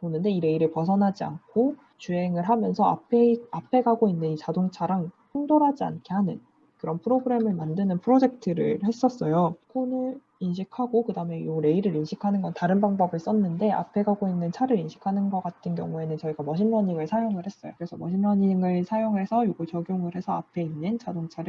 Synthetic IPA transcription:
ponɯndeiɾe̞iɾɯɭpʌsʰʌnɦad͡ʑia̰nkʰo | t͡ɕue̞ŋɯɭɦamjʌnsʰʌa̰pʰeapʰe̞ɡaɡoinːɯnit͡ɕadoŋt͡ɕʰaɾaŋpʰoŋdoɾɦad͡ʑia̰nkʰe̞hanɯn | kɯɾʌnpʰɯɾoɡɯɾe̞mɯɭmandɯnɯnpʰɯɾod͡ʑe̞k̚tʰɯɾɯ̰ɭhe̞s͈ʌs͈ʌjokʰonɯɭ | inɕʰikʰaɡokɯdame̞joɾe̞iɾɯɾinɕʰikʰanɯnɡʌntaɾɯnbaŋbʌbɯɭs͈ʌnːɯnde̞a̰pʰe̞ɡaɡoinːɯnt͡ɕʰaɾɯɾinɕʰi̥kʰanɯnɡʌk͈at̚tʰɯnkjʌ̰ŋue̞nɯnt͡ɕʌiɡamʌɕʰimːʌɲiŋɯɭsʰajoŋɯɭɦe̞s͈ʌjo̰kɯɾe̞sʰʌmʌɕʰimːʌɲiŋɯɭsʰajoŋɦe̞sʰʌjoɡɯɭt͡ɕʌɡjoŋɯɾɦe̞sʰʌapʰe̞inːɯnt͡ɕadoŋt͡ɕʰaɾɯ

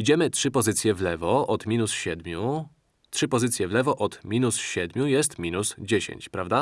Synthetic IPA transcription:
id͡ʑɛmɘtʂɘpɔzɘt̪sʲjɛvlɛvɔʔɔt̪mʲinusɕɛd̪mʲu | tʂɘpɔzɘt̪sʲjɛvlɛvɔʔɔt̪mʲinusɕɛd̪mʲjujɛst̪mʲinusd͡ʑeɕḛɲt͡ɕpɾavd̪a

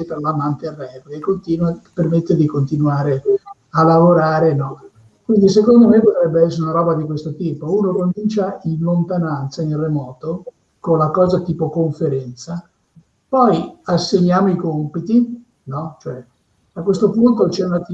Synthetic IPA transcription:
epelamant̪earːɛvleekːont̪iːnwapermet̪ːed̪ikont̪inuaːɾe | alavoɾaːɾenɔ | kwind̪is̬ekond̪omepot̪ɾɛbːeɛsːeɾeunaɾɔːbad̪ikwest̪ot̪iːpouːnokomint͡ʃainlont̪anant̪sainremɔːt̪o | konlakɔːzat̪iːpokoɱfeɾɛnt̪sa | pɔjasːeɲːaːmoikompit̪i | nɔt͡ʃoɛ | akwest̪opunt̪ot͡ʃɛunat̪i

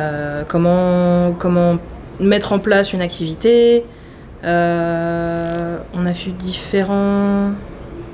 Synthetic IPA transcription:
økɔmɑ̃kɔmɑ̃ | mɛt̪χɑ̃plasynak̚t̪ʰivit̪e | ø | ɔ̃navyd̪ifeʁɑ̃

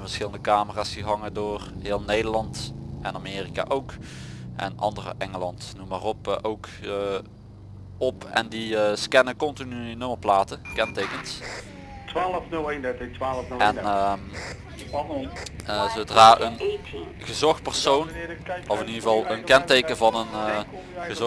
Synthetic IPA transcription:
nvəɹsxɪləndəkaːməraːsdiɦɑŋədoːrɦɪːlˠnejdəɹlɑntɛnameːrika̰ːʔowkʔɛ̰nɑ̰ndərə̰ʔɛŋəlɑntnumarɔpːʔowkː | ɔpɛ̰ndiəskɛnəkɔntinynɵmərplaːtəkɛntejkəns | tʋaːləfnɵlˠejndɛtətʋaːləfnɛn | zowdraːʔən | ɣəzɔxt̚pərsownʔɔfɪniəvɑlˠənkɛntejkənvɑnən | ɣəz

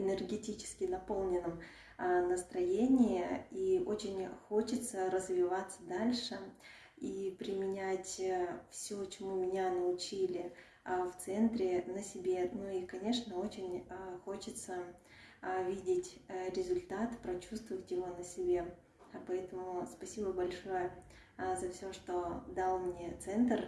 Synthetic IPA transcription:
ɪnʲɪrɡʲɪtʲit͡ɕɪ̥skʲɪnɐpo̞lˠnʲɪnːəm | nəst̪ɾɐjenʲɪjɪio̞t͡ɕɪnʲxo̞t͡ɕɪt̪səɾəzvʲɪvat̪sːəd̪alʲʂɨ | ipɾʲɪmʲɪnʲætʲfsʲot͡ɕɪmumʲɪnʲanəʊt͡ɕilʲɪ | ft̪sɛnt̪ɾʲɪnəsʲɪbʲenoikɐnʲe̞ʂnəo̞t͡ɕɪnʲəxo̞t͡ɕɪt̪sə | vʲidʲɪtʲɾʲɪzʊlʲt̪at̪pɾɐt͡ɕust̪vəvətʲjɪvo̞nəsʲɪbʲe | pɐɛt̪əmʊspɐsʲibəbɐlʲʂo̞jə | zɐfsʲoʂt̪od̪alˠmnʲe̞t̪sɛnt̪ər

